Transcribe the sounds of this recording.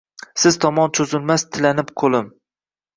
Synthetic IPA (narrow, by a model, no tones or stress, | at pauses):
sɪzt̪ʰɒmɒnt͡ʃʰozɪlmast̪ʰɪlanɪpqʰolˠɪm